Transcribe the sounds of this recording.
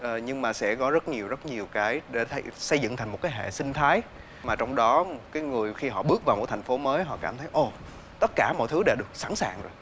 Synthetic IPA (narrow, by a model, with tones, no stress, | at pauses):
ʔəː˨˩ɲɨ˧ŋmaː˨˩sɛ̰˧˥kɔ˨˦zə˦˥t̚ɲi˨˩əwzə˦˥t̚ɲi˨˩əwkaː˨˦jɗe˧˩t̪ʰə˧jsə˧jzɨ̰˧˨ŋt̪ʰjŋmo˨˩t̚kaː˨˦jɦḛ˧˨sï˧ŋ̟t̪ʰaː˨˦j | maː˨˩t͡ɕɔ˧wŋ͡mɗɔ˨˦m˩kaː˨˦jŋɨ˨˩əjxi˧ɦɔ̰˧˨ɓɨ˦˥ək̚vaː˨˩wo˨˩t̪ʰa˨˩ŋ̟fo˨˦məː˨˦jɦɔ̰˧˨kaː˧˩mt̪ʰə˨˦jʔo˧˩ | t̪ə˦˥t̚kaː˧˩mɔ̰˧˨jt̪ʰɨ˨˦ɗe˧˩ɗɨ˨˩ək̚saː˧˩ŋsaː˨˩ŋzo˨˩j